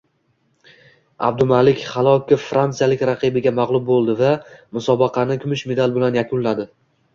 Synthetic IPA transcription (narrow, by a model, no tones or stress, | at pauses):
a̰b̚d̪ʊmalɪkʲχɑlˠɒkʲɪːɾant̪sɨjalɪkʲɾaqɨbɪɡʲamaʁlˠʊb̚bolˠd̪ɪvamʊsɒbɨqʰɑnɪkʰʲʊmɪʃme̞d̪alˠbɪlanjakʰʊnlad̪ɪ